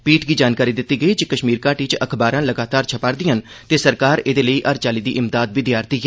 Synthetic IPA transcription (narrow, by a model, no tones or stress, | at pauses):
piːʈɡiːd͡ʒaːnkaːɾiːd̪ɪt̪ːiːɡəiːd͡ʒikəʃmiːɾkaːʈiːt͡ʃəkʰbaːɾãːləɡaːt̪aːɾt͡ʃʰəpaːɾd̪iːən | t̪eːsəɾkaːɾeːd̪eːləiːʔəɾt͡ʃaːliːd̪iːʔɪmd̪aːd̪̚bɪd̪jaːɾt̪iːɦɛː